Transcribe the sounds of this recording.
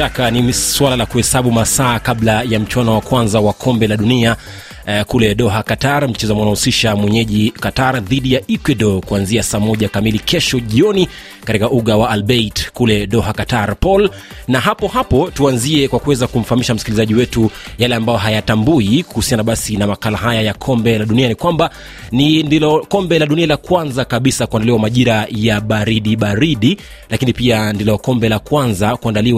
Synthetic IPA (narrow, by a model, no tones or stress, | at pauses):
akaniswalalakuhɛsaɓumasaːkaɓlajam̩t͡ʃwanɔwakwanzawakʰɔmbɛlaɗunia | kulɛɗɔɦakataɾm̩t͡ʃɛzamanahusiʃamwɛɲɛʄikataɾðiɗijaʔikwɛɗɔkuanziasaːmɔʄakamilikɛʃɔʄiɔni | katikaʔuɠawaːlɓɛitkulɛɗɔhakataɾpɔl | naɦapɔhapɔtuanziɛkwakuwɛzakum̩fahamiʃam̩sikilizaʄiwɛtujalɛambajɔɦajatambuikuhusianaɓasinamakalaɦajajakʰɔmbɛlaɗunianikwamba | nindilɔkɔmbɛlaɗunialakwanzakaɓisakuandaliwamaʄiɾajaɓaɾiɗiɓaɾiɗi | lakinipiandilɔkɔmbɛlakwanzakuandaliw